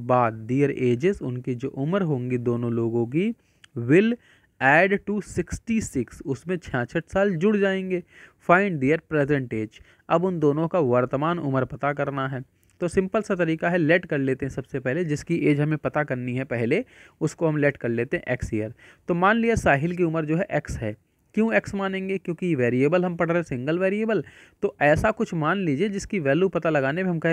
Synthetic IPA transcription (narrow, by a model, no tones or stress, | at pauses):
baːd̪diːəɾeːd͡ʒɪzʊnkid͡ʒo̰ːʔʊməɾɦõːŋɡid̪oːnõloːɡõk̬i | ʋɪl | ɛːɖʈusɪksʈisɪksʊsmẽt͡ʃʰãːsʰəʈʰsaːld͡ʒʊɽd͡ʒaːẽːŋɡeːfaːɪ̃ɳɖɖiːəɾpɾeːzɛ̃ɳʈeːd͡ʒ | ɐbʊnd̪oːnõkaʋɐɾt̪əmaːnʊ̰məɾpɐt̪akɐɾnaɦɛː | t̪oːsɪ̃mpəlsat̪ɐɾiːkaɦɛlɛʈkɐɾleːt̪eɦɛ̃sɐbsepɛɦled͡ʒɪskiʔeːd͡ʒɦɐmẽpɐt̪akɐɾniɦɛpɛɦleʊskoɦɐmleːʈkɐɾleːt̪ẽɦɛ̃ʔɛksijəɾt̪oːmaːnlijasaːɦɪlk̬iʊməɾd͡ʒoːɦɛʔɛksɦɛ̰ː | kjõːɛksmaːnẽːŋɡekjõːkijeʋeːɾieːbəlɦɐmpɐɽɛɦɛ̃sɪ̃ŋɡəlʋeːɾiebəl | t̪oːʔɛːsakʊt͡ʃʰmaːnliːd͡ʒied͡ʒɪskiʋɛːljupɐt̪alɐɡaːnemeɦɐ̃mkɛ